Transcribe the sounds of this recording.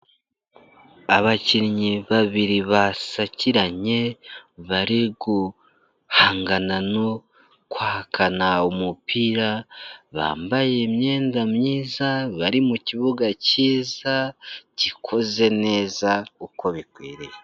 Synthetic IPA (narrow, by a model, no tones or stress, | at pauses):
aβaciɾiɲiβaβiɾiβasaciɾaɲe̞βaɾiɡu | haːŋɡanano̞ | kwaːhkʰanaumupʰiːɾaβa̰ːmbaje̞mɲe̞ːndamɲiːzaβaɾimuciβuɡaciːzacikʰo̞ze̞ne̞ːzauko̞βikwiːɾeje